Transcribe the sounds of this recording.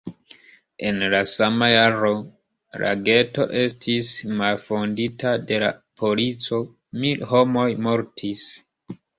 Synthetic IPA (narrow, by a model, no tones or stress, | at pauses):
e̞nlasamajaɾo | la̰ɡe̞to̞̰ʔe̞stʰismalfo̞nditʰade̞lapʰo̞lit͡so̞ | milho̞mo̞jmo̞ɾtʰis